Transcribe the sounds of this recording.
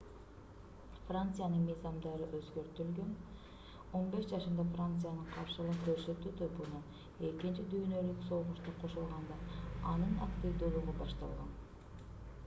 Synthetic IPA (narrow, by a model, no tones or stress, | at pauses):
frant̪sɨjanɯnmɯjzɑmd̪ɑɾɯʔøzɡø̞ɾt̪ylɡøn | o̞nbe̞ʃd͡ʒɑʃɯnd̪ɑfrant̪sɨjanɯɴqʰɑɾʃɯlˠɯqkø̞ɾsø̞t̪ːyt̪obunu | e̞kint͡ʃid̪yːnø̞lykso̞lˠʁuʃt̪ɑqʰo̞ʃulˠʁɑnd̪ɑɑnɯna̰kt̪ʲivd̪ulˠuʁubɑʃt̪ɑ̰lˠʁɑn